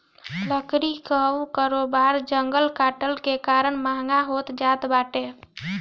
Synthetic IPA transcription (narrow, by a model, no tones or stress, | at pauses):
ləkɾikəwkəɾobaɾd͡ʒəŋɡəlkaʈəlkekaɾəɳmaŋɡaɦot̪d͡ʒat̪baʈe